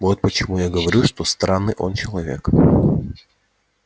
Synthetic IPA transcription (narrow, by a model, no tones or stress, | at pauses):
vo̞t̪̚pət͡ɕɪmujaɡəvɐɾʲuʂt̪o̞st̪ɾanːɨjʔo̞nt͡ɕɪlˠɐvʲe̞̰k